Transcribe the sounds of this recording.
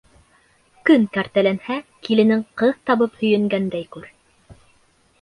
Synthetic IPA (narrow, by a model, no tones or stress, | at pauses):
kɵŋkæɾt̪ælænhækilɘ̆nɘŋqɤðt̪ɑβɤphɵ̆jɘ̆ŋɡænd̪æjkʉɾ